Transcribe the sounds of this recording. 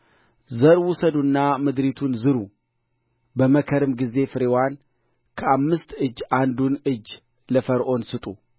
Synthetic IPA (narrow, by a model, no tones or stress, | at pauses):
zəɾwʊsəd̪unːamɨd̪ɾit̪ʰunzɨɾu | bəməkʰəɾɨmɡize̞fɨɾewan | kʰəamːɨst̪ɨd͡ʒːʔand̪unɨd͡ʒː | ləfəɾʔo̞nsɨt̪ʼu